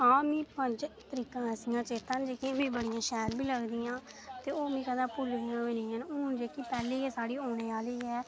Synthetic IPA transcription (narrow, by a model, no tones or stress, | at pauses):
ãːmĩːpə̃nd͡ʒt̪əɾiːkãːɛːsɪjãːt͡ʃeːt̪ãːnd͡ʒeːkĩmĩːbəɽɪjãːʃɛːlbʱiːləɡd̪ɪjãː | t̪eːoːmĩːkəd̪ãːpʊlɡɪːãːeːnɪ̃ːɦənuːnd͡ʒeːkiːpɛːliːɛːsaːɽiːoːñeːaːliːɛː